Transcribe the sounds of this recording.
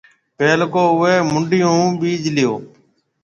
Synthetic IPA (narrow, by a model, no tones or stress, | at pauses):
peːlkoːʊʋeːmʊɳɖɪjõːɓiːd͡ʒlɪjo̰ː